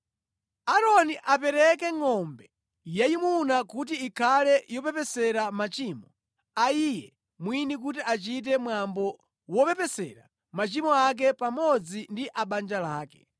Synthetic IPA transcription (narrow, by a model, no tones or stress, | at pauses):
aɾɔniʔapɛɾɛkɛŋɔmbɛ | jajimunakut̬iːkʰalɛjɔpɛpɛsɛɾamat͡ʃiːmɔ | aijɛ | mwinik̬utiʔat͡ʃit̬ɛmwambɔ | wɔpɛpɛsɛ̰ɾa | mat͡ʃimɔak̬ɛpamɔd͡zindiʔaɓand͡ʒalaːkɛ̰